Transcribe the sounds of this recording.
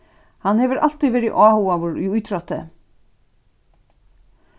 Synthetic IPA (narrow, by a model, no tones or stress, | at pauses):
hanːhɛvɪɾa̰l̥t̪iʋɛːɾɪʔaːhuavʊɾḭujt̪ʰɾɔt̪ɪ̰